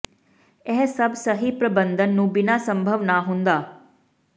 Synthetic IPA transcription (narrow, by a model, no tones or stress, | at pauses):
ɛːsəbsəɦipɾəbə̃nd̪ʱənːũːbɪnasə̃mbʱəʋnaɦʊ̃nd̪aː